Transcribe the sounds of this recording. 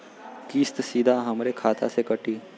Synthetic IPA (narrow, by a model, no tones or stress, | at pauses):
kiːst̪sid̪ʱaɦəmɾekʰat̪a̰sekəʈiː